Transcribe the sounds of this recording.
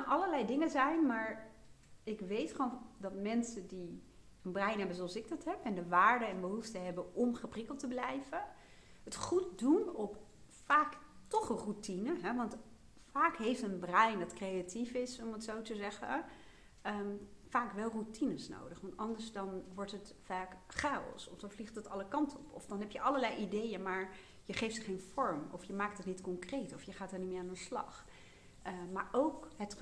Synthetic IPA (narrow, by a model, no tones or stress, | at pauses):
ʔɑləɹlɛjdɪŋəzɛjnmaːɹ | ɪkʋejtχondɑtmɛnsədi | ənbrɛjnɦɛbənzoɑlˠsɪɡ̚dɑtɦɛpɛndəʋaːɹdəɛnbəɦuftəɦɛbəʔɔmχəprɪkəlˠtəblɛjvə | ɦətχut̚dunɔp | faːktɔχərutinəɦɛʋɑnt | faːkɦejftənbrɛjndɑtkrejatifɪsɔmətsowtəzɛχə̰ | əfaːkʋɛlˠrutinəsno̰wdəχʋɑntɑndəɹsdɑnʋɔɹtɦət | faːkχaːɔ̰lˠsɔfdɔnfliχtətɑləkɑntʰɔpʰɔ̰fdɑnɦɛpjəʔɑləlɛjʔidejəmaːɹ | jəχejftəχejnfɔɹmɔ̰fjəmaːk̚tətnitkɔŋkrejtɔfjəχaːtɛɹnimɪːaːndənslɑ̰χ | əmaːɹʔowkɦət